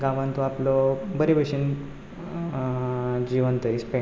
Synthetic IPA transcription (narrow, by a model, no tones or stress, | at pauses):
ɡãʋãnt̪oaplɔbəɾibəɕin | d͡ʑiʋənt̪əɾispe